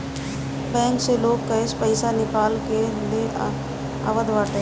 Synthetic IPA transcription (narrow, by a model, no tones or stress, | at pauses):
bɛ̃ːŋkseloːɡkɐɪspəɪsanɪpaːlked̪e | a̰ːʋəd̪ʋaːʈ̪e